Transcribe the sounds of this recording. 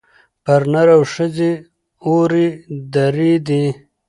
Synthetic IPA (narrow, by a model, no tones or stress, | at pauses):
paɾnaɾawʂəze | oɾid̪aɾid̪i